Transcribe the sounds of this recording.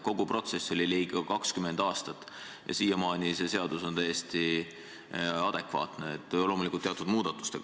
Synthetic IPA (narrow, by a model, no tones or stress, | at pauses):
ko̞ɡ̥uprʔo̞t̪se̞sːo̞lʲiliːɡ̥ɑkɑkskymend̪̥ɑːst̪ɑt̪ː | jʔɑ̰siːjɑmɑːnʲise̞se̞ɑd̪̥uso̞nt̪æjest̪i | ɑd̪̥e̞kvɑ̰ːt̪neet̪ːˑlo̞mulikˑult̪ːeɑt̪ːˑud̪̥muːd̪̥ɑt̪ːˑu̥st̪e̞̰